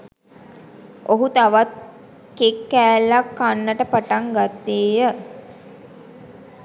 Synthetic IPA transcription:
oɦut̪aʋat̪̚ | kekːæːlːakːanːəʈəpaʈaŋɡat̪ːeːjə

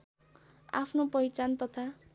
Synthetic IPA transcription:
a̰pʰnopʌjt͡sant̪ʌt̪ʰa

